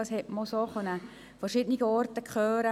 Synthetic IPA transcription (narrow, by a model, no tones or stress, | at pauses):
ɑshɛtmosoχœnə | fɛrʃiːdəniɡəɔrtəkχøːɾə